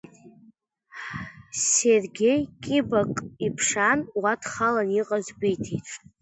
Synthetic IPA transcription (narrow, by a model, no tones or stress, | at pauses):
serɡʲejkʲʼɪbakʼipʰʂanwatʰχalaniqʼazɡʷijtʰiʈ͡ʂʼ